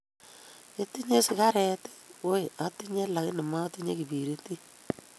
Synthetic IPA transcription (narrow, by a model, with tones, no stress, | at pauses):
e˦ti˦ɲe˦sɪ˨ka˦ɾɛ˨te̥˦wo˦˨a˦ti˦ɲe˦la˨kɪ˦nɪ˨ma˦ti˦ɲḛ˦ki˨pi˨ɾi˦ti˦